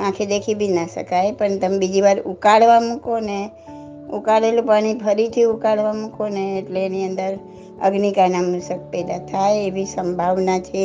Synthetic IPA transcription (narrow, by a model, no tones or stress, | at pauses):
ãkʰed̪ekʰibʱinaʃə̰kajpəɳt̪əmebid͡ʒiʋaɾukaɽʋamũkone | ukaɽelũpaɽ̃ibʱəɾit̪ʰiukaɭʋamũkoneːʈleːniənd̪əɾ | ə̰ɡnikanamusək̚pɛd̪at̪ʰajeʋisəmbʱaʋnat͡ʃʰe